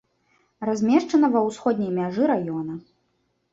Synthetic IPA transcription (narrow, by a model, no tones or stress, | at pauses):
razʲmʲɛʂt͡ʂɐnɐvɐwsxɔd̪̚ʲnʲɐjmʲaʐɨɾajɔnɐ